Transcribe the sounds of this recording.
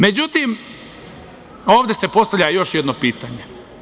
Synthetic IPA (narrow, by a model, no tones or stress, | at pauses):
me̞d͡ʑut̪im | oːʋd̪esepo̞st̪aʋlʎʲajo̞ʃjed̪nopiːt̪aɲe